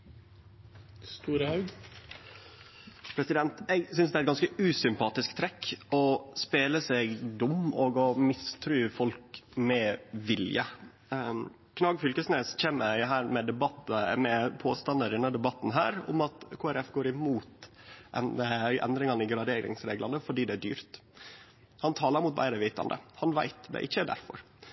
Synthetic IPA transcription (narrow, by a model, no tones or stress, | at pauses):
st̪uːɾəhɑʉɡ | pʰɾɛsɪd̪ɛnt̪ɛɡsʏnsd̪ɛæɾɛt̪ɡɑnskəʉːsʏmpɑːt̪ɪskt̪ʰɾɛkːɔspeːləsɛɡd̪ʊmoːɡɔmɪst̪ʰɾʉːfɔlkmɛʋɪljə | kʰnɑɡfʏlkəsneːsçeːməɾɦæːɾmɛd̪ɛbɑt̪əmɛpʰoːst̪ɑnd̪əɾɪnːəd̪ɛbɑt̪ːn̩ɦæːɾʊ̰mɑt̪kʰoːæɾɛfɡoːɾɪmuːt̪ʔɛ̰nəʔɛ̰nd̪ɾɪŋɑnɪɡɾɑd̪eːɾɪ̰ŋsɾeːɡlʔɑnəfɔɖiːd̪ɛæɖy̰ːɾt̪ | hɑnt̪ʰɑːlɑɾmʊt̪̚bæ̰ɪɾəʋiːt̪ɑ̰nd̪ə̰hɑnʋæ̰ɪt̪d̪ɛ̰ʔɪçːəɖæ̰ɾfɔ̰ɾ